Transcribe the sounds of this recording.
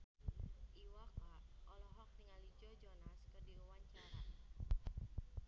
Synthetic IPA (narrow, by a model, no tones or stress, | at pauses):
ʔiwakaɔlɔɦɔk̚niŋalid͡ʒɔd͡ʒɔnaskərdiuwaɲt͡ʃaɾan